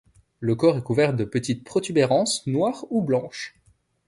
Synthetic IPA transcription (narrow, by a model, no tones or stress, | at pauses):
ləkɔʁɛkuvɛʁd̪əpət̪it̪̚pχɔt̪ybeʁɑ̃snwaːʁublɑ̃ʃ